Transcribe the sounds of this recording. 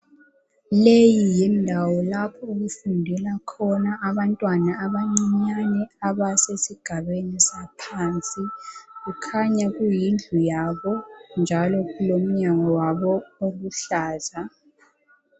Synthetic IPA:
lejijɛndʱawɔlapʰɔuɣufundʱɛlakʰɔnaʔːβantʼwanaːβaŋ͡ǀiɲanɛaβasesiɡ̥ʱaβenisapʰant͡sʼiɣukʰaɲaɣ̬ujind͡ɮʱujaβɔnd͡ʒʱalɔɣulom̩ɲaŋɔwaβɔoɣuɬaːza

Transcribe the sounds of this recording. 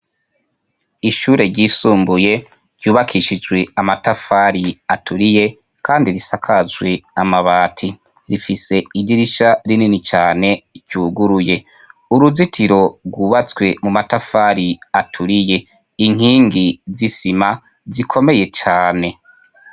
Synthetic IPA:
iʃuːɾe̞ɾɟiːsuːmbuje̞ | ɾɟuːβakʰiʃid͡ʒwe̞amatafaːɾiatʰuɾije̞ | kʰaːndiɾisakʰazwe̞amaβaːtʰi | ɾifise̞idiɾiʃaɾininit͡ʃaːne̞ɟuːɡuɾuje̞ | uɾuzitʰiɾo̞ɾɡwuːβat͡swe̞mumatafaɾiatʰuɾije̞ | iŋ̥iːŋɡizisima | zikʰo̞me̞je̞t͡ʃaːne̞

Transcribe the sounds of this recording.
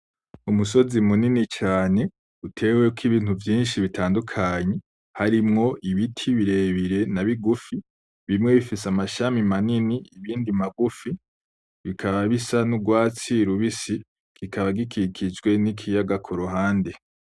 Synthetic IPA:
umuso̞zimuninit͡ʃaːne̞ | utʰe̞ːwekʰiβiːnhuvjiːnʃiβitʰaːndukʰaːɲe̞ | haɾimŋo̞ʔiβitʰiβiɾe̞βiɾe̞naβiɡufi | βimŋe̞βifisamaʃamimaniniiβiːndimaɡufi | βikʰaβaβisanuɡwaːt͡siɾuβisi | kikʰaβaɡikʰikʰid͡ʒɡwe̞nikʰijaɡakʰuɾuɦaːnde̞

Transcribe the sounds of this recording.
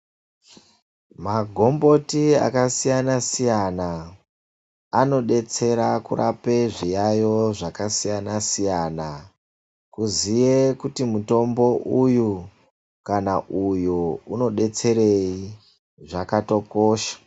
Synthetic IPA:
maɡʱo̞mbo̞tia̰kasijanasijana | ano̞ɗe̞t͡se̞ɾakura̰pe̞ʐijajo̞ʐakasijanasijana | kuzijekutimuto̞mbo̞ʔuju | kanaʔujuuno̞ɗe̞t͡se̞re̞i | ʐakato̞ko̞ːʃḁ

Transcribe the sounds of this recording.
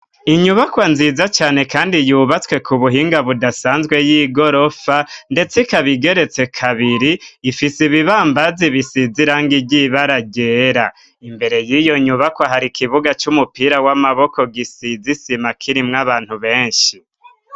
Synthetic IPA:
iɲuβakwanziːzat͡ʃaːne̞kaːndijuːβat͡swe̞kʰuβuɦiːŋɡaβudasaːnzɡwe̞jiːɡo̞ɾo̞fande̞t͡sikaβiɡe̞ɾe̞t͡se̞kʰaβiɾiːfisiβiβaːmbaziβisiziɾaːŋɡibɟiβaɾaɡe̞ɾa | imbe̞ɾe̞jijo̞ɲuβakwaɦaɾikiβuɡat͡ʃumupiːɾawamaβo̞ko̞ɡisizisimakʰiɾimŋaβaːn̥huβe̞ːɲʃi

